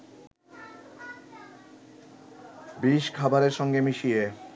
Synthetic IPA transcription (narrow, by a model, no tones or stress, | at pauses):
biʃkʰabaɾeɾʃɔŋɡemiʃie